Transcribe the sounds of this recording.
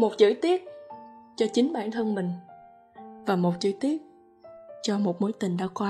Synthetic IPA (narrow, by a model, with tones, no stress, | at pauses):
mo˨˩t̚t͡ɕɨ̰˧˥t̪i˦˥ət̚t͡ɕɔ˧t͡ɕï˨˦ŋ̟ɓa̰ː˧˩nt̪ʰə˧nmï˨˩ŋ̟ | vaː˨˩mo˨˩t̚t͡ɕɨ̰˧˥t̪i˦˥ət̚ | t͡ɕɔ˧mo˨˩t̚mo˨˦jt̪ï˨˩ŋ̟ɗa̰ː˧˥kwaː˧